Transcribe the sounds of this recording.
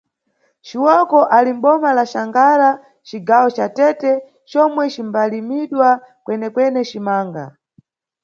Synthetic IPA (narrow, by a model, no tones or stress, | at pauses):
t͡ʃiwɔkɔʔalim̩ɓɔmalaʃaŋɡaɾa | t͡ʃiɡawɔt͡ʃatɛtɛ | t͡ʃɔmwɛt͡ʃimbalimiɗwa | kwɛnɛkwɛnɛt͡ʃimaːŋɡa̰